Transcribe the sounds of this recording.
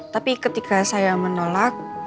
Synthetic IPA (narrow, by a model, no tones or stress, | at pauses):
t̪apikət̪ikasajamənolak̚